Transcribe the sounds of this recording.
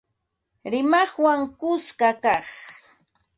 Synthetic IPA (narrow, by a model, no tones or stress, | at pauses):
ɾɪmɑχwaŋkʊskakɑχ